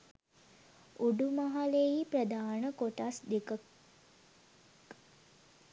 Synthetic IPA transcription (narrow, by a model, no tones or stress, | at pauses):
uɖumaɦaleiprəd̪aːnəkoʈasd̪ekə